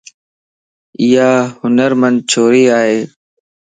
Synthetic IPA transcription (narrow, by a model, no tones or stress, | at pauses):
iːaːhʊnəɾmənd̪̚t͡ʃʰoːɾiːaːɦeː